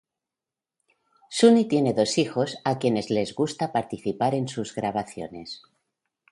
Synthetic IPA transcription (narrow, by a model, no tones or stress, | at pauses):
sunit̪je̞ne̞ðo̞sixo̞sakje̞ne̞zle̞zɣust̪apaɾt̪iθipaɾe̞nsuzɣɾaβ̞aθjo̞̰ne̞s